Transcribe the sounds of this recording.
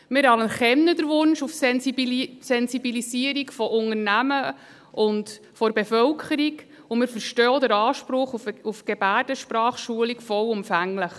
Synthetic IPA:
mɪɾɑləχɛmnədəɾʋʊnʃufsɛnisɛnsibilisiəɾikfɔʔʊŋəɾnæmə | ʔʊnd | fɔɾbefœlkʰəɾiɡ | ʊmɪɾfəɾʃtɔːd̪əɾɑːʃpɾʊχufufɡ̥ebæːɾd̥əʃpɾɑːχʃuəlikfɔwʊmfæŋləχ

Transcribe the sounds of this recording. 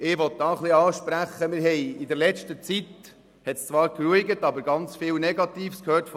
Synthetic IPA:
ɪʋɔt̚d̥ɑːχliɑːʃpɾæχəmɪːɾɦɛɪidɛɾlɛt͡ʃtət͡sit | hɛtst͡sʋɑːɾkruiɡətɑbəɾɡɑnt͡sfɪːlnɛɡɑt̪iːfskʰhøːɾtf

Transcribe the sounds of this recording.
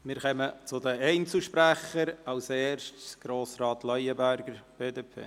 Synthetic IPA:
mɪːɾχɛmət͡sʊd̪əɛɪnt͡suʃpɾæχəɾɑwseːʃtsɡ̥ɾoːsrɑːt̪lœjəbæɾɡəɾb̥eːdeːpʰḛː

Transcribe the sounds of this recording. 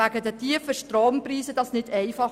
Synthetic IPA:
æɡədətʰiəfəʃtɾoːmpriːsəd̥ɑsnɪdɛɪfɑ

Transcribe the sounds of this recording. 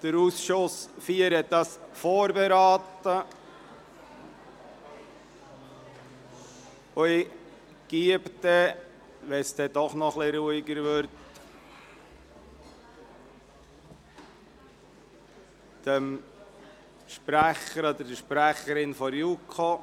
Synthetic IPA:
d̪̥əɾusʃʊsfiːəɾɛt̚d̪ɑsfɔːɾbeɾɑːt̪ə | ʊɪ | ɡ̥iəpt̪ɛ | ʋɛsd̥̪ɛd̪ɔχnɔχlɪɾuiɡəɾʋøɾt | d̥əm | ʃpɾæχəɾɔd̪əɾdəʃpɾæχəɾɪnfɔɾjukʰo

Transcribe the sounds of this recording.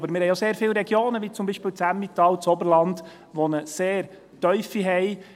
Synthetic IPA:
bəɾmɪɾhɛɪjoseːɾfɪːlɾɛɡjoːnəʋit͡sʊmbiʃpɪːlt͡sæmːit̪ɑːlt͡sɔbəɾlɑnd̥ | ʋɔnəseːɾ | tœʏfiɦɛj

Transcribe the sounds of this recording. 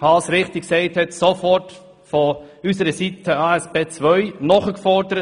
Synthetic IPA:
ɑːsɾɪχtiksɛɪthɛtsofɔrt | fɔysəɾəsitʰəɑɛspeːt͡svœʏnɔχəkfɔdəɾə

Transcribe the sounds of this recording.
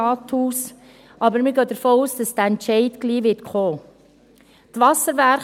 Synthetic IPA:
ɑːt̪huːs | ɑbəɾmɪɡœːd̥̪əɾfoːuːsd̥ɑsd̥̪əɛntt͡ʃɛɪdɡliːʋɪtkχoː | t̪ʋɑsəɾʋæɾ

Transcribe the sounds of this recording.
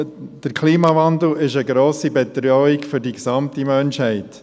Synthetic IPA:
d̥əɾkʰliːmɑvɑnd̪l̩ɪʃəɡɾoːsibɛt̪ɾœɪkfʏɾdiksɑmtimœnʃhɛɪt

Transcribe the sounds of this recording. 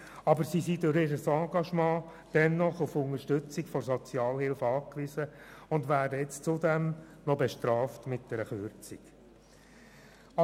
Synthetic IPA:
ɑbəɾsisidʊɾɪːɾəsɑ̃ːɡɑʃmɑ̃ː | d̥ɛnːɔχʊfʊŋəɾʃtʏt͡sikfɔɾsɔt͡sjɑːlhɪlfɑːkʋizəʊndʋæːdəɛt͡st͡sʊdɛmnɔbɛʃtɾɑːftmɪt̚d̥ɛɾəχøɾt͡siɡ | ɑ

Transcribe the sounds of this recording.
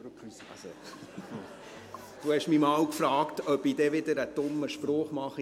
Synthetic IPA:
s | d̪̥uːhɛʃmimɑːwkfɾɑːktœbiːd̥ɛʋɪdəɾəd̥ʊməʃpɾɔːχmɑχi

